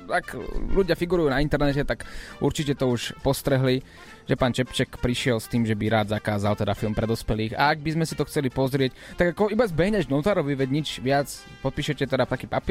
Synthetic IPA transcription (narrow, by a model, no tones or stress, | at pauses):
akʎuɟɪafiɡuɾujuːnaint̪ɛɾnɛcɛt̪akʔuɾt͡ʃicɛt̪ɔuʃpɔst̪ɾɛɦli | ʒɛpaːnt͡ʃɛpt͡ʃɛkpɾiʃɪɛlst̪iːmʒɛbiɾaːd̪zakaːzalt̪ɛd̪afilˠmpɾɛd̪ɔspɛliːxa̰ːɡ̚bizmɛsit̪ɔxt͡sɛlipɔzɾɪɛc | t̪aɡakɔibazbɛɦɲɛʒnɔt̪aːɾɔʋiʋɛɟɲid͡ʒʋɪat͡s | pɔt̪piːʃɛcɛt̪ɛd̪at̪akiːpapɪ